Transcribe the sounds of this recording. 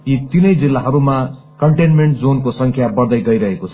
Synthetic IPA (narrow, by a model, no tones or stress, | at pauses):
it̪inʌjd͡zilːaɦʌɾuma | kʌɳʈenmeɳʈd͡zonkosʌŋkʰjabʌrd̪ʌjɡʌjɾʌɦekot͡sʰʌ̥